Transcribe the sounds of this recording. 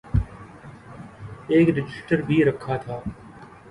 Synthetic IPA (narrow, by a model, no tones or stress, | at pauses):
eːkɖɪd͡ʒɪsʈəɾbʱiːɾəkʰaːt̪ʰaː